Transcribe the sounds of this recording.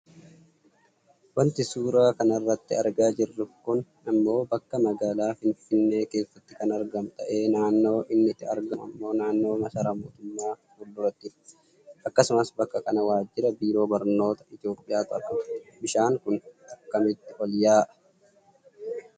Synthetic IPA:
wɐnt̪ɪsuːɾaːkɐnɐrːɐt̪ːɪɐɾɡaːd͡ʒɪrːʊkʊn | ɐmːo̞ːbɐkːɐmɐɡaːlaːfɪnfɪnːe̞ːke̞ːsːɐt̪ːɪkɐnɐɾɡɐmt̪ʼɐʔe̞ːnaːnːo̞ːʔɪnːɪt̪ːɪɐɾɡɐmɐ̰mːo̞ːnaːnːo̞ːmɐsɐɾɐmoːt̪ʊmːaː | ʊlːʊɾɐt̪ːɪf | ʔɐkːɐsʊmɐsbɐkːɐkɐnɐwaːd͡ʒːɪɾɐbiːɾo̞ːbɐɾno̞ːt̪ɐ̥ɪt̪ɪo̞ːpʼːɪjaːt̪ʊɾɐbɪʃaːŋkʊnt̪ɐkːɐmɪt̪ːɪʔɔljaːʔɐ̥

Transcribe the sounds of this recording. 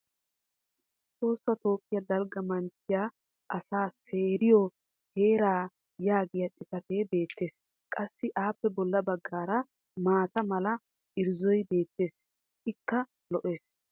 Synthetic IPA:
t͡sʼo̞ːsːɐt̪o̞ːkʼːɪjɐd̪ɐlɡɐmɐnt͡ʃːɪjaː | ʔɐsaːse̞ːɾɪjɔ | heːɾaː | jaːɡɪjɐtʼɪt̪ɐt̪e̞ːbe̞ːt̪ːe̞ːs | kʼɐsːɪʔaːpːɛbɔlːɐbɐɡːaːɾɐ | maːt̪ɐmɐlɐ | ʔɪɾzɔjbe̞ːt̪ːe̞ːs | ʔɪkːɐ | lɔʔe̞ːs

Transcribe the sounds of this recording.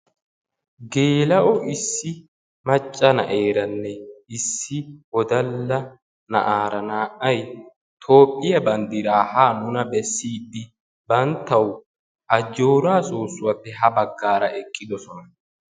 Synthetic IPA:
ɡeːlɐʔɔʔɪsːɪ | mɐt͡ʃʼːɐnɐ̰ʔe̞ːɾɐnːɛɪsːɪɔd̪ɐlːɐ | nɐ̰ʔaːɾɐnaːʔɐj | t̪ʰo̞ːpʼːɪjɐbɐnd̪ɪɾaːhaːnʊnɐbɛsːiːd̪ːɪ | bɐnt̪ːɐw | ʔɐd͡ʒːo̞ːɾaːsoːsːʊwɐpːɛɦɐbɐɡːaːɾɐʔɛkʼːɪd̪ɔsɔnɐ

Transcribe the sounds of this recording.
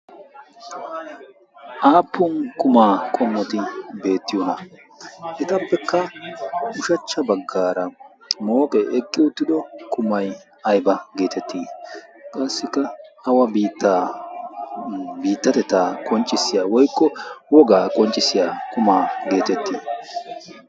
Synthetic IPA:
ʔaːpːʊnkʊmaːkʼɔmːɔt̪ɪbe̞ːt̪ːɪjɔnɐ | ʔɛt̪ɐpːɛkːɐ | ʊʃɐt͡ʃːɐbɐɡːaːɾɐ | mo̞ːkʼɛʔɛkʼːɪʊt̪ːɪd̪ɔkʰʊmɐj | ɐjbɐɡe̞ːt̪ɛt̪ʰːiːkʼɐsːɪkːɐɐwɐbiːt̪ːaː | biːt̪ːɐt̪ɛt̪ːaːkʼɔnt͡ʃʼːɪsːɪjaːwɔjkːɔwɔɡaːkʼɔnt͡ʃʼːɪsɪjaːkʼʊmaːɡe̞ːt̪ɛt̪ːiː

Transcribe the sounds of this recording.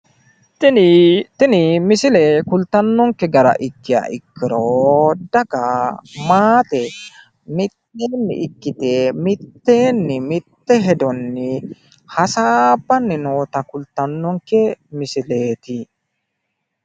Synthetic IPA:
t̪ɪnɪmɪsɪleːkʊlt̪ɐnːɔŋkɛɡɐɾɐ̰ʔɪkːɪja̰ʔɪkːɪɾoːd̪ɐɡamaːt̪ɛ | mɪt̪ːeːnːɪ̰ʔɪkːɪt̪eːmɪt̪ːe̞ːnːɪmɪt̪ːɛɦɛd̪ɔnːɪ | hɐsaːbːɐnːɪno̞ːt̪ɐkʊlt̪ɐnːɔŋkɛmɪsɪleːt̪ɪ

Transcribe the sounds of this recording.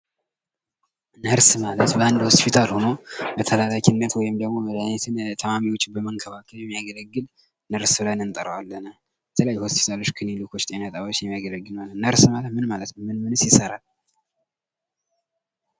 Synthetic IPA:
nəɾsmalət̪bəand̪ho̞spʰit̪ʰalho̞no̞bət̪ʰəlalakinːət̪wɔjɪmd̪əɡmo̞məd̪anɛt̪ʰɨnt̪ʰəmamiwo̞t͡ʃːbəməŋkʰəβakʰəljɛmːijaɡələɡːɨl | nəɾsbɨlanɨnt̪ʼəɾəwalːənə | bɛt̪ʰələjajːho̞spʰi̥t̪ʰalo̞t͡ʃːkʰɨnilukʰo̞t͡ʃːt̪ʼenat̪ʼawot͡ʃːjɛmːijaɡələɡːɨlmalənəɾsmalət̪mɨnmalət̪nəmmɨnmɨnɨsjɪsəɾal

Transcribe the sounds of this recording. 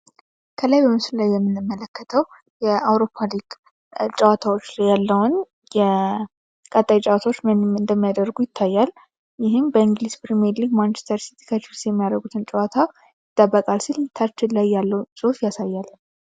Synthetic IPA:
kʰəlajbəmɨsllajːɛmːɨnːɨmːələkːət̪ʰəw | jɛawɾo̞pʰːaliɡ | t͡ʃʼəwat̪ʰawo̞t͡ʃːlajːalːəwʊn | jɛ | kʼət̪ʼajt͡ʃʼawat̪ʰwot͡ʃːɨnd̪əmːijad̪əɾɡujɪt̪ʰːajːal | jɪɦɪmbəiŋɡlizpɾimɛɾliɡmant͡ʃɛst̪ʰəɾsi̥t̪ʰi̥kʰət͡ʃɪlsjɛmːijad̪əɡut̪ʰɨnt͡ʃʼɛwat̪ʰa | jɪt̪ʼːəbːəkʼalsilt̪ʰat͡ʃːɪllajːalːəwsʼofjasajːalː

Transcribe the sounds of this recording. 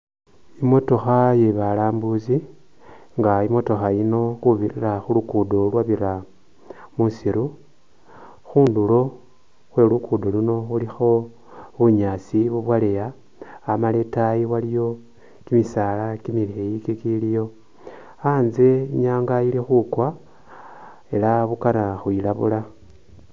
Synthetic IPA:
imo̞to̞xaje̞βalaːmbuzi | ŋɡaimo̞to̞xaino̞xuβiriraxulukudo̞lwaβiɾa | musiɾu | xuːndulo̞ | xwe̞lukʰudo̞luno̞ulixo̞ | βuɲasiβuβwalejaː | maletajiwalijo̞ | kimisalakimiliejikikilijo̞ | aːnze̞iɲaːŋɡailixukwa | e̞laβukaɾaxuilaβula

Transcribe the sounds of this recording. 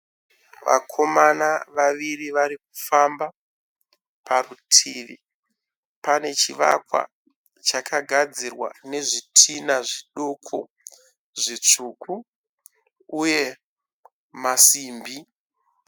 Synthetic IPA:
ʋa̰kʰo̞manaʋaʋiriʋaɾik̚u̥famba | parutʰiːʋḭ | pane̞t͡ʃiʋa̰kwa̰ | t͡ʃakʰaɡʱad͡zirwa̰ne̞ʐitʰinaʐiɗokʰo̰ | ʐit͡ʂukʰu | uje̞ | masiːmbi

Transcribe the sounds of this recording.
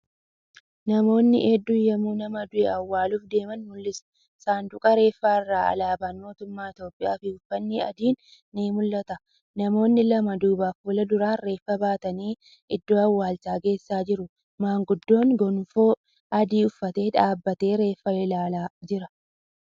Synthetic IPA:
nɐmo̞ːnːɪ̰ʔed̪ːʊjɐmuːnɐmɐd̪ʊʔɛɐwːaːluːfd̪e̞ːmɐnmʊlːɪsɐ̥ | saːnd̪ʊkʼɐɾe̞ːfːaːɪrːaːɐ̰laːbaːnmo̞ːt̪ʊmːaːɪt̪jo̞ːpʼːɪja̰ːfɪʊfːɐnːiːɐ̰d̪iːnː | iːmʊlːɐt̪ɐ | nɐmo̞ːnːɪlɐmɐd̪uːbaːfuːlɐd̪ʊɾaːnɾe̞ːfːɐbaːt̪ɐniː | ɪd̪ːoːɐwːaːlt͡ʃaːɡe̞ːsːaːd͡ʒɪɾʊ | maːŋɡʊd̪ːo̞ːŋɡɔnfoː | ʔɐd̪iːʊfːɐt̪e̞ːᶑaːbːɐt̪e̞ːɾe̞ːfːɐɪlaːlaːd͡ʒɪɾɐ

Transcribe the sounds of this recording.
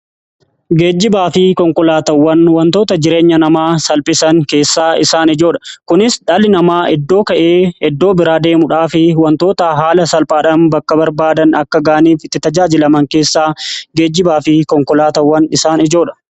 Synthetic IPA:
ɡeːd͡ʒːɪbaːfɪkɔŋkɔlaːt̪ɐwːɐnwɐnt̪oːt̪ɐd͡ʒɪɾe̞ːɲːɐnɐmaːsɐlpʼɪsɐŋke̞ːsːaːɪsaːnɪd͡ʒoːᶑɐ̥kʊnɪsᶑɐlɪnɐmaːʔɛd̪ːo̞ːkɐʔe̞ːɛd̪ːoːbɪɾaːd̪e̞ːmʊᶑaːfɪwɐnt̪o̞ːt̪ɐɦaːlɐsɐlpʼaːᶑɐnbɐkːɐbɐɾbaːd̪ɐnɐkːɐɡaːʔɐniːfɪt̪ːɪt̪ɐd͡ʒaːd͡ʒɪlɐmɐŋke̞ːsːaːɡeːd͡ʒːɪbaːfɪkɔŋkɔlaːt̪ɐwːɐnɪsaːnɪd͡ʒoːᶑɐ̥

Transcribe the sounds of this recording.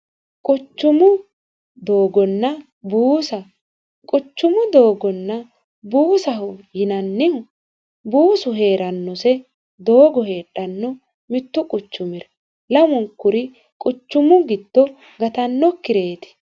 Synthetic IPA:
kʼʊt͡ʃːʊmʊ | d̪o̞ːɡɔnːɐ | buːsɐ | kʼʊt͡ʃːʊmʊd̪o̞ːɡɔnːɐ | buːsɐɦʊjɪnɐnːɪhʊ | buːsʊɦe̞ːɾɐnːɔsɛ | d̪o̞ːɡɔheːɗɐnːɔ | mɪt̪ːʊkʼʊt͡ʃːʊmɪɾɛ | lɐmʊŋkːʊɾɪ | kʼʊt͡ʃːʊmʊɡɪd̪ːɔ | ɡɐt̪ɐnːɔkːɪɾe̞ːt̪ɪ̥

